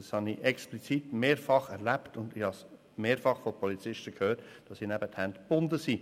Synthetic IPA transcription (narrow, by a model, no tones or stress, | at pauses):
shɑniʔɛksplit͡sitmeːɾfɑχɛɾlæptʊndɪhɑs | meːɾfɑχfɔpʰɔlit͡sɪʃtəkʰhøːtd̥ɑsinæbəthændb̥ʊndəsiː